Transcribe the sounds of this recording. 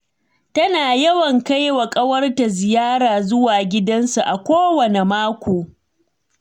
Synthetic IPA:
tɐ˦naː˨jɐ˦wɐ˨ŋka˦jwɐ˨kʼɐ˦wɐ˦rta˨zɪ˨jaː˦ɾaː˨zʊ˦waː˨ɡʲɪ˦dɐ˦nsu˨ʔa˨kʷoː˦wɐ˨ne˨maː˦kʷoː˨

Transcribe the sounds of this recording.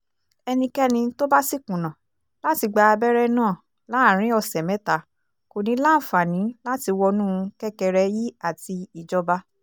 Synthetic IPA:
ɛ˧nĩ˧kɛ˦nĩ˧to˦ba˦si˦˨kũ˨nã˨ | la˦ti˧ɡ͡ba˧a˧bɛ˦ɾɛ˦nãː˦˨ | la˨˦˨ɾ̃ĩ˦ɔ˧sɛ˨mɛ̃˨˦ta˨˦ | ko˨nĩ˨˦la˦˨fa˨nĩ˨˦la˦ti˧wɔ˧nũ˦˧kɛ˦kɛ˧ɾɛ˧ji˦a˦˨ti˧i˨d͡ʒɔ˧ba˧

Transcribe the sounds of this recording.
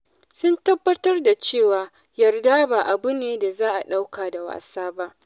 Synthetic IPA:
sʊ˦ntɐ˦bːɐ˦tɐ˦rda˨t͡ʃeː˦˨waː˨ | jɐ˨rda˦baː˨ʔa˨bʊ˦neː˨da˨zaː˦ʔa˨ɗa˦wkaː˨da˨wa̰ː˨saː˦ba˦ʔ

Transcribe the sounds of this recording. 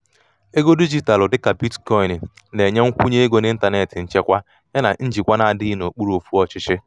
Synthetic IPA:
e˦ɡo˦di˦d͡ʒi˦ta˨lʊ˨dɪ˦ka˨bi˦tkɔ˦ɪ˨n˨ | ne˨ɲe˦ŋ̩˦kʷu˦ɲe˦e˦ɡo˦nɪ˦n̩˦ta˨ne˨tɪ˨n̩˦t͡ʃe˦kʷa˦ | ɲe˦na̰˨n̩˦d͡ʒi˨kʷa˦na˨a˨dɪ˦i˦no˨k͡pu˦ɾu˦o˨fu˦ɔ˨t͡ʃɪ˦t͡ʃɪ˦

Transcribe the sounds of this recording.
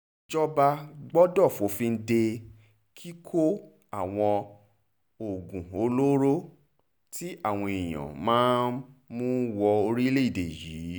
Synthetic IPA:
d͡ʒɔ˦ba˧ɡ͡bɔ˦dɔ˦˨fo˨˦fĩ˧n̩˦de˧ | kʰi˦kʰo˦ | a˦˨w̃ɔ̃˧ | o˨ɡũ˨o˨˦lo˦ɾo˦ | ti˦a˦˨w̃ɔ̃˧i˨j̃ã̰˨mãː˨˦mũ˦wɔ˧o˧ɾi˦le˦i˦˨de˨jiː˨˦

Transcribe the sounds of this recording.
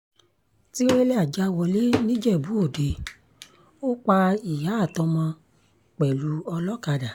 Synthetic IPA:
ti˦ɾe˦le˦a˦˨d͡ʒa˦wɔ˧le˦nĩ˦d͡ʒɛ˦˨bu˨˦o˦˨de˨˧ | o˦k͡pa˧i˨ja˨˦˨tɔ̃˧mã˧ | k͡pɛ˨lu˨˦ɔ˧lɔ˦ka˧da˨

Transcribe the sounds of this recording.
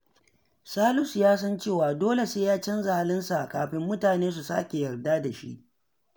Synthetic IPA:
saː˦lʊ˦sjaː˦s̬ɐ˦nt͡ʃeː˦˨waː˨doː˦le˨seː˦jaː˦t͡ʃɐ˦nza˨ha˦lɪ˦nsa˨ʔa˨kaː˨ɸɪ˦mːʊ˦taː˨neː˦s̬u˨sa̰˦kʲe˨jɐ˨rdaː˦da˨ʃḭ˦ʔ

